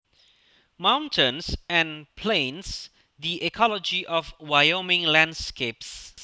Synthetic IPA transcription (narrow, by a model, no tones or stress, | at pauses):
mãʊw̃ntʰə̃nsɛ̃npʰlẽns | diʔɛkʰɔlɔd͡ʒiʔɔfwajomɪ̃ŋlãnskeps